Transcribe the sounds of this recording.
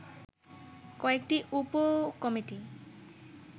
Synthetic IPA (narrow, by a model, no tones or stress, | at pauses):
kɔekʈiʔupɔkɔmiʈi